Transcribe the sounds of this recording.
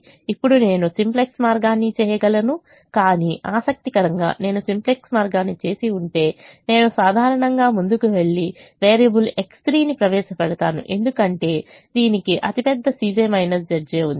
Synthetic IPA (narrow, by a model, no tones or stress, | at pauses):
ipːuɽune̞ːnusimpleksmaːɾɡaːnːit͡ʃɛːjɐɡɐlɐnu | kaːniːʔaːsɐk̚t̪ikɐɾɐŋɡa̰ːne̞ːnusimpleksmaːɾɡaːnːit͡ʃe̞ːsiuɳʈe̞ːne̞ːnusaːd̪ʱaːɾɐɳɐŋɡaːmund̪ukuʋe̞ɭːiʋeːɾijɐbule̞ksʈɾiːnipɾɐʋɛːʃɐpɐɽɐt̪aːnṵʔe̞nd̪ukɐɳʈe̞ː | d̪iːnikiʔɐt̪ipɛd̪ːɐsiːd͡ʒemɐjnɐsd͡ʒɐd͡ʒeːund̪ii